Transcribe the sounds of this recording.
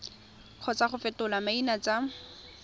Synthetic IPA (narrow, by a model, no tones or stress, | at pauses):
q͡χʰɔt͡saχʊfɛtʊlamainat͡sa